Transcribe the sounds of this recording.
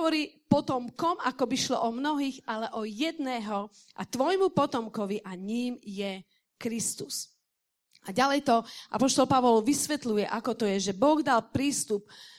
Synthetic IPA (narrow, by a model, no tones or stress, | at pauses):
ɔɾiːpɔt̪ɔmkɔmakɔbiʃlɔ̰ʔɔmnɔɦiːɣalɛʔɔjɛd̪nɛːɦɔ | ʔa̰t̪ʋɔjmupɔt̪ɔmkɔʋiʔaɲiːmjɛ | kɾist̪us | ʔaɟalɛjt̪ɔʔa̰pɔʃt̪ɔlpaʋɔlʋisʋɛt̪lujɛʔakɔt̪ɔjɛʒɛbɔɣd̪alpɾiːst̪up̚